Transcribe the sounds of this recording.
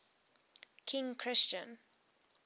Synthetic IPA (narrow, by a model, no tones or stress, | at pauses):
kʰɪ̃ŋkʰɹɪst͡ʃə̰̃n